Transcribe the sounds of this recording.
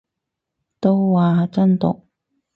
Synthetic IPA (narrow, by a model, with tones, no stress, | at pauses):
t̪o˥wwaː˨˩t͡sɐ˥nt̪ʊ̰˨k̚